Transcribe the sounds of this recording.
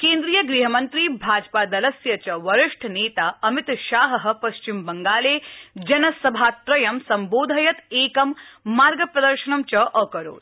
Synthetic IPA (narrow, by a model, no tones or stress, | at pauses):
keːnd̪ɾijɐɡɾiɦɐmɐnt̪ɾiːbʱaːd͡ʒpaːd̪ɐlɐsjɐt͡ʃɐʋɐɾɪʂʈʰneːt̪aːɐmit̪ʃaːɦɐɦɐ̆pɐʃt͡ʃimbɐŋɡaːleːd͡ʒɐnɐsɐbʱaːt̪ɾɐjɐmsɐmboːd̪ʱɐjɐt̪eːkɐmːaːɾɡɐpɾɐd̪ɐɾʃɐnɐmt͡ʃɐʔɐkɐɾo̰ːɾ